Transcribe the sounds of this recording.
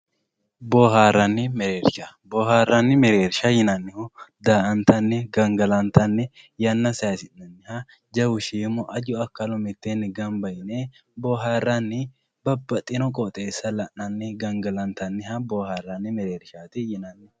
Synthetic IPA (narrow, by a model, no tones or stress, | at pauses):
boːɦaːrːɐnːɪmɛɾeːɾʃɐboːɦaːrɐnːɪmɛɾeːɾʃɐjɪnɐnːɪhʊd̪aːʔɐnt̪ɐnːɛɡɐŋɡɐlɐnt̪ɐnːɛ | jɐnːɐsɐjɐsɪnɐnːɪhɐ | d͡ʒɐwʊʃiːmɔʔɐd͡ʒʊɐkːɐlɔmɪt̪ːenːɪɡɐmbɐjɪne | boːɦaːrːɐnːɪ | bɐbːɐt̪ʼːɪnɔkʼɔt̪ʼeːsːɐlɐʔnɐnːɪɡɐŋɡɐlɐnt̪ɐnːɪhɐboːhaːrːɐnːɪmɛɾeːɾʃaːt̪ɪjɪnɐnːɪ